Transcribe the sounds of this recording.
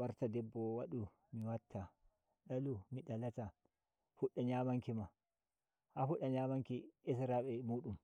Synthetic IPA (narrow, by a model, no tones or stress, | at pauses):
waɾtadɛbːɔwaɗu | miwatʰːa | ɗalumiɗalata | fuɗːaɲaːmaŋkima | hafuɗːaɲaːmaŋkiis̬ɾaɓɛmuːɗum